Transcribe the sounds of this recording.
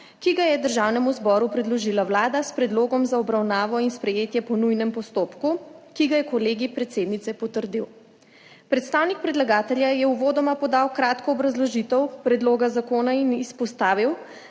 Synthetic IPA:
kiɡajɛd̪əɾʒaːwnɛmuzbɔːɾupɾɛd̪lɔʒilawlaːd̪aspɾɛd̪loːɡɔmzaɔbɾawnaːʋɔinspɾɛjeːt̪jɛpɔnujnɛmpɔst̪oːpkukiɡajɛkɔleːɡipɾɛt̪seːd̪nit̪sɛpɔt̪əɾd̪iw | pɾɛt̪st̪aːwnik̚pɾɛd̪laɡaːt̪ɛljajɛuʋoːd̪ɔmapɔd̪awkɾaːt̪kɔːbɾazlɔʒit̪ɛwpɾɛd̪loːɡazakoːnainispɔst̪aːʋiw

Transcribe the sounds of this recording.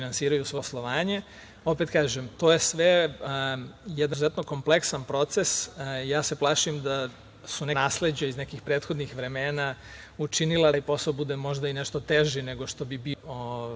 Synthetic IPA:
inansiːɾajusʋo̞slˠoʋaːɲe̞ | o̞pet̪̚kaːʒemt̪o̞ːjesʋe | jɛd̪zuzet̪no̞ko̞mple̞ksanpɾo̞t̪sesjaːseplˠaːʃimd̪a | sunenaːsle̞d͡ʑaizne̞kixpɾet̪xo̞d̪nixʋɾe̞meːna | ut͡ʃinilaipo̞saobud̪emo̞ʒd̪aineʃt̪o̞t̪eʒine̞ɡo̞ʃt̪o̞bibio

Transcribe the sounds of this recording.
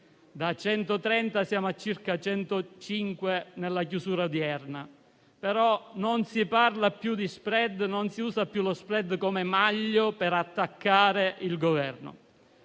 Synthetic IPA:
d̪at͡ʃɛnt̪ot̪ɾɛnt̪asjaːmoat͡ʃːirkat͡ʃɛnt̪ot͡ʃiŋkwenelːak̬jusuːɾad̪iɛrna | peɾɔnonsiparlapjud̪ispɾɛd̪nonsiuːsapːjulospɾɛd̪komemaʎːopeɾat̪ːakːaːɾeʔilɡovɛrno̰

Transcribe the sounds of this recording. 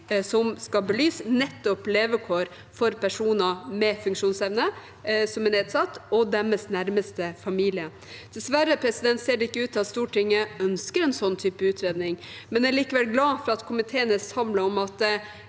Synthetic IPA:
sɔmskɑbəlyːsnɛt̪ːɔpleːʋəkʰoːɾ | fɔɾpæʂuːnɑmɛfʉŋkʂuːnsɛʋnə | sɔmɛneːd̪sɑt̪ːɔd̪æməsnæɾməst̪əfɑmiːlɪə | d̪̥ɛsʋæɾəpʰɾɛsɪd̪ɛnt̪seːɖɛɪkːəʉːt̪ʰːɑt̪st̪uːʈʰɪŋːəœnskəɾɛnsɔnːt̪ʰyːpəʉːt̪ʰɾeːd̪nɪŋmɛnæɾɭiːkəʋɛlɡlɑːfɾɑɑt̪kʰʊmɪt̪ʰeːənəsɑmləɔmɑt̪

